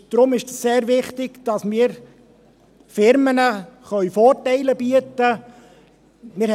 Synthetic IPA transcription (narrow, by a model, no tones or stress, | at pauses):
d̪̥ɾʊmɪʃsseːɾvɪχtɪɡ̥d̥ɑsmɪːɾ | fɪɾmənəχœʏfɔːɾtɛɪləb̥iətə | mɪ